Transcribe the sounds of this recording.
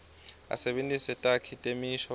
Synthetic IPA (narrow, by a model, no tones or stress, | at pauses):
a̰sɛɓentʼisɛtʼakʰitʼemiʃɔ